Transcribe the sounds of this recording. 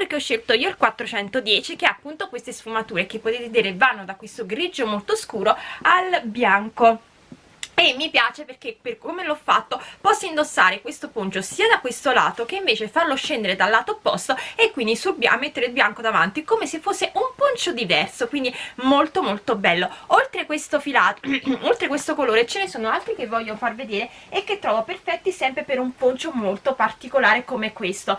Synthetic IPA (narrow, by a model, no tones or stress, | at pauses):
perkeɔʃːelt̪oiːoilkwat̪ːɾot͡ʃɛnt̪od̪jɛːt͡ʃikeapːunt̪okwest̪esfumat̪uːɾek̟epːot̪et̪ed̪iːɾevanːod̪akwest̪oɡɾid͡ʒomolt̪oskuːɾoalbjaŋko | emːipjaːt͡ʃeperk̟epekomelɔfːat̪ːopɔsːaind̪osːaːɾekwest̪opont͡ʃosiːad̪akwest̪ola̰ːt̪okeiɱveːt͡ʃefarloʃːend̪eɾed̪alːaːt̪opːɔst̪oekːwind̪isulba̰mːet̪ːeɾeilbjaŋkod̪ava̰nt̪ikomesefːosːeʔumpont͡ʃod̪ivɛrsokwind̪imolt̪omolt̪obɛlːoolt̪ɾekwest̪ofilaːolt̪ɾekwest̪okoloːɾet͡ʃenesoːnoalt̪ɾikevːɔʎːofarved̪eːɾe | ekːet̪ːɾɔːvoperfɛt̪ːisɛmpɾepeɾumpont͡ʃomolt̪opart̪ikolaːɾekomeɛkːwest̪o